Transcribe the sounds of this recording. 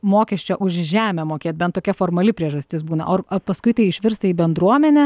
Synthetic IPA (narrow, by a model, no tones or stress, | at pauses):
moːkʲɛʃʲt͡ʃʲoʔʊʃʒʲæːmʲɛmoːkʲeːt̪̚ʲbʲɛnt̪t̪oːkʲɛfoːɾmɐlʲɪpʲɾʲiɛʒɐsʲt̪ʲɪsbuːnɐ̰ʔoːrɐpɐskʊɪt̪ɐɪɪʃʲʋʲɪɾst̪ɐiːbʲɛnd̪ɾuɔmʲɛnʲɛ